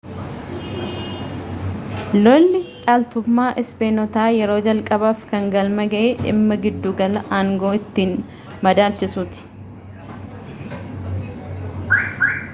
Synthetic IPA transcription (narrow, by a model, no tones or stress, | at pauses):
lɔlːɪᶑʼaːlt̪ʊmːaːʔɪspeːnɔt̪aːjɛɾo̞ːd͡ʒɐlkʼɐbaːfkɐŋɡɐlmɐɡɐʔeːʔɪ̰mːɐɡɪd̪ːuːɡɐlɐʔaːŋɡoːɪt̪ːiːn | mɐd̪aːlt͡ʃɪsuːt̪ɪ̥